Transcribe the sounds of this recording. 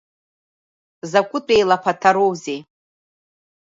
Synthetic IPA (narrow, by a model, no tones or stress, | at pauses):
zakʷʼʊtʼejlapʰatʰaɾowzej